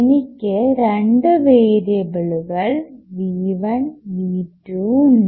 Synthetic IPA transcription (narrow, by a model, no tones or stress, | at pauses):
nikʲːɨɾeɳɖɨʋeːɾebɪɭuɣɐɭʋiːʋɐɳniːʈɾuːn